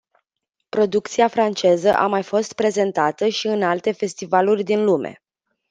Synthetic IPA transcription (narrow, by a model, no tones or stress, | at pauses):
pɾo̞d̪uk̚t̪siafɾant͡ʃe̞zəʔamajfo̞st̪̚pɾe̞ze̞nt̪at̪əʃiɨnalt̪e̞fe̞st̪ivalurʲd̪inlume̞̰